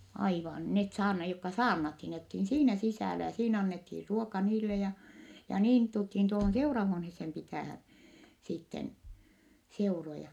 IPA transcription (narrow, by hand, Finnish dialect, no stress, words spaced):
ɑiʋɑn net sɑːrnɑ jokːɑ sɑːrnɑthin net olthi siːnæ sisæˑlæ jɑ siːnæ ɑnːethir ruokɑ niːlːe jɑ jɑ niːn tulthin tuohon seurɑhuonhesːem pitæˑhæn sitːen seurojɑ